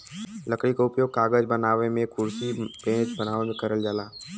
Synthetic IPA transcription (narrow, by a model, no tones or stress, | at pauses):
ləkɽikaʊpjoːɡ̚kaːɡəd͡ʒbɐnaːʋemẽkʊɾsipẽːt͡ʃbɐnaːʋemẽkɐɾəld͡ʒaːlaː